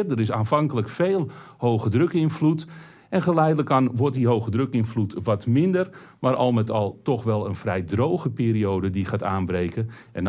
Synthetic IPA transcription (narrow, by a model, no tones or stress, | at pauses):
rdəɾɪs̬aːnfaŋkələkfeːlˠhowɣədrøkɪnflut | ɛnχəlɛjdələkanʋɔrt̚diɦowxədrøkɪnflutʋɔtmɪndər | maːɾʔɑ̰lˠmɛtɑlˠtɔxʋɛlˠə̰nfrɛjdrowɣəpiːɾiowdədiχaːtaːnbɾejkən | ʔɛ̰n